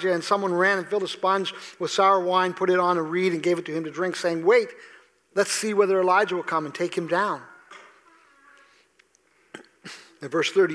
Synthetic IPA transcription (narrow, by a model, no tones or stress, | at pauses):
d͡ʒɨɨ̃nsʌ̃mwʌ̃nɹæ̃nɨ̃nfɪlˠdəspʌ̃nzwəð̥sæɹəwãɪ̃npʰʊɾɨɾn̩əɹiɾɨ̃nɡeɪvɨtʰɨɨ̃mtɨdɹɪ̃ŋkseɪɪ̃ŋweɪt̚ | lətsiwɛðə˞ɨlaɪd͡ʒɨwə̥kʰʌ̃mɨ̃ntʰeɪkhɨ̃mdãʊ̃n | ɨ̃vɜ˞sθɜ˞ɾi